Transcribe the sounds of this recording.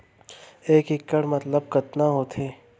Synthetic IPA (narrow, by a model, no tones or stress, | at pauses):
eːkɪkːəɽmɐt̪ləb̚kɐt̪naɦoːt̪ʰeː